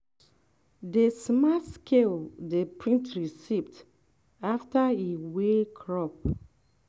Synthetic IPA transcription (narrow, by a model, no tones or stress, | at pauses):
desmaskʰeldepɹĩntɹisivd | aftaiwekʰɹɔp̚